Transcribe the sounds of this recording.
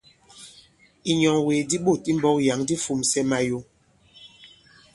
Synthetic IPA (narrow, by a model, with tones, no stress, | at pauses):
i˨ɲɔ˨ŋwe˨di˦ɓo˦˨ti˦m̩˦bɔ˦wja˨ŋdi˦fu˨msɛ˦ma˨jo˨˦